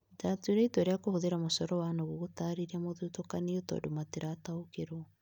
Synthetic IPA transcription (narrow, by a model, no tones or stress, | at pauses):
itatueɾaitweɾeakohoðeɾamosɔɾɔwanoɣoɣotaɾiɾamoðutokaneotɔ̰domateɾataokeɾɔ